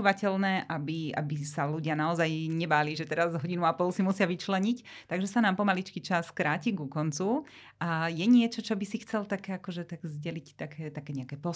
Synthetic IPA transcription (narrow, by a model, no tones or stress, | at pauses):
uʋacɛlnɛːʔabia̰bisaluɟɪanaɔzajɲɛbaːliːʒɛt̪ɛɾazɦɔɟinuapɔlsimusɪaʋit͡ʃlɛɲict̪aɡʒɛsanaːmpɔmalit͡ʃkit͡ʃaskɾaːciɡukɔnt͡su | ʔajɛɲɪɛt͡ʃɔt͡ʃɔbisixt͡sɛlt̪akɛːakɔʒɛt̪aɡzɟɛlict̪akʰɛːt̪akɛːɲɛakɛːpɔ